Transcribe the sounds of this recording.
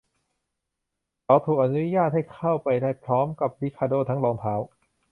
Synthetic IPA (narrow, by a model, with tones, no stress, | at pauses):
kʰa˨˦˥wt̪ʰuː˨˩k̚ʔa˧nu˦˥jaː˥˩t̪̚ha˥˩jkʰa˥˩wpa˧jdaː˥˩jpʰɾɔː˦˥mka˨˩p̚li˦˥kʰaː˧doː˥˩t̪ʰa˦˥ŋlɔː˧ŋt̪ʰaː˦˥w